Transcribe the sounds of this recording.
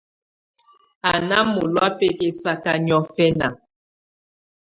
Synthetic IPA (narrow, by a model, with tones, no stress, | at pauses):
a˨na˦mo˨lwa˦pe˦ke˦sa˦ka˦ɲɔ˦fɛ˦na̰˨